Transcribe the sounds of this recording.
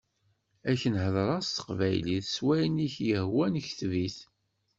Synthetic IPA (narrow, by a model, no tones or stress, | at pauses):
æçənhəðˤɾˤɑst̪ə̥qvæjliθswæjniçjəhwænəçθviθ